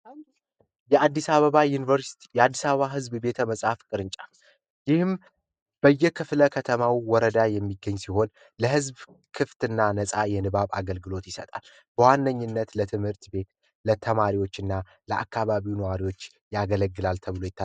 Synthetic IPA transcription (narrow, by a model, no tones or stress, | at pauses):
jɛad̪ːisaβəβajunivəɾsi̥t̪jɛad̪ːisaβəβaɦɨzbbe̞t̪ʰəməsʼhafkʼɨɾɨnt͡ʃʼa | jɪhɨm | b̥əjːɛkʰɨfləkʰət̪ʰəmawiwɔɾəd̪ajɛmːiɡəɲːsiho̞n | ləhɨzb | kʰɨft̪ɨnːanəsʼajɛnɨβaβa̰ɡəlɡɨlo̞t̪jɪsət̪ʼal | b̥əwanːəɲːɨnːət̪lət̪ʰɨmhɨɾt̪be̞t̪ | lət̪ʰəmaɾiwo̞t͡ʃːɨnːa | ləʔa̰kʰːaβaβiwunəwaɾiwo̞t͡ʃː | jaɡələɡːɨlalt̪ʰəβɨlo̞jɪt̪ʰːa